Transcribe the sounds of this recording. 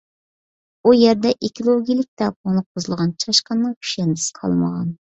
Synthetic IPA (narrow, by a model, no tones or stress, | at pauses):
ujɛɾd̪ɛʔekʲilˠoɡʲijilˠɪk̚ʲt̪ɛpʰonlˠɨq̚bozɨlˠʁɑnt͡ʃʰɑʃqɑnːɨŋkʲʰy̥ʃɛnd̪ɪsɪ̥qʰɑ̰lˠmə̰ʁɑ̰n